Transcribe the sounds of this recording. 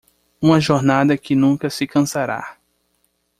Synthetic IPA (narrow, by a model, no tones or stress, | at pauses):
ũmɐʒoɾnad̪ɐkɪnũkɐsɪkɐ̃saɾa̰